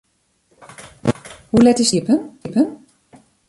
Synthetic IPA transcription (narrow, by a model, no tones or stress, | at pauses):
hulɛtɪsipənpən